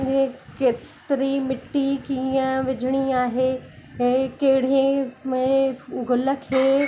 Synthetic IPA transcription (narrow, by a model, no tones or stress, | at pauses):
ẽkeːɪɾimɪʈːikiə̃ʋɪd͡ʑʱɪɽ̃iaːɦeːɛ̃ːkeɦɪɽ̤ẽmẽɡʊləkʰeː